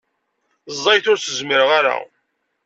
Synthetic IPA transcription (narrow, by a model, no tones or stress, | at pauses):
zˤːɑjθʊɾθəzməɾəʁaɾa̰